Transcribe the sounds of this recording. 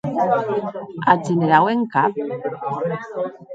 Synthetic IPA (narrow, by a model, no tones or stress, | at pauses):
ad͡ʒeneɾaweŋkap̚